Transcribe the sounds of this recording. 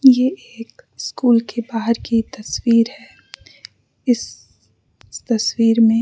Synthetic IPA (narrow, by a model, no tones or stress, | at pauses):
jeeːkɪskuːlkebaːɦəɾkit̪ɐswiːɾɦɛː | ɪs | t̪ɐswiːɾmẽ